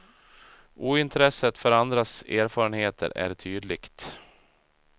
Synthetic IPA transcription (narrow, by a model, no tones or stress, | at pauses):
ʔuːɪnt̪ʰɾɛsət̪fœɾand̪ɾaseːɾfɑːɾənheːt̪ʰə̰ɾæ̰ɾʈʰyːd̪lɪkt̪